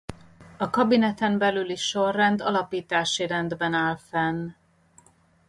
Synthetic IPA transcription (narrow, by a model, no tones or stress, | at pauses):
ɒkɒbinɛt̪ɛmbɛlyliʃʃorːɛnd̪ɒlɒpiːt̪aːʃiɾɛnd̪bɛnaːlfɛnː